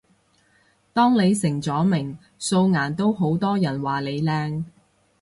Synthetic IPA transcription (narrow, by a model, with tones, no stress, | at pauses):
t̪ɔː˥ŋle˨˧jsɪ˨˩ŋt͡sɔː˨˥mɪ˨˩ŋ | so˧wŋaː˨˩nt̪o˥wɦo˨˥wt̪ɔː˥jɐ˨˩nwaː˨le˨˧jlɛː˧ŋ